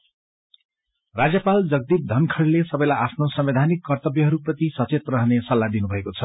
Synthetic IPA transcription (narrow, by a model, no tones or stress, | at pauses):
rad͡zjʌpald͡zʌɡ̚d̪ip̚d̪ʱʌnkʰʌɽlesʌbʌjlajʔapʰnosʌmbed̪ʱanikːʌrt̪ʌbjʌɦʌɾuprʌt̪isʌt͡set̪rʌɦnesʌlːad̪inubʱʌekot͡sʰʌ